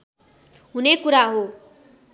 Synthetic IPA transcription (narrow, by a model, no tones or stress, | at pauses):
ɦunekuɾaɦo